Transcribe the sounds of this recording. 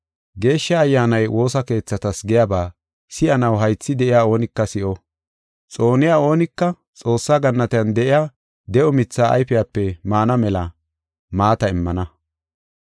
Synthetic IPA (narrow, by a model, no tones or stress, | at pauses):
ɡe̞ːʃːɐːjːaːnɐjwʔo̞ːsɐke̞ːt͡sːɐt̪ɐsɡɪjabaː | sɪʔɐnɐwɦɐjt͡sːɪd̪ɛʔɪjaːo̞ːnɪkːɐsɪʔɔ | t͡sʼo̞ːnɪjaːo̞ːnɪkːɐ | t͡sʼo̞ːsːaːɡɐnːɐt̪ɪjɐnd̪ɛʔɪja | d̪ɛʔɔmɪt͡sːaːɐ̰jfɪjaːpːɛmaːnɐmɛlɐ | maːt̪ɐɪmːɐnɐ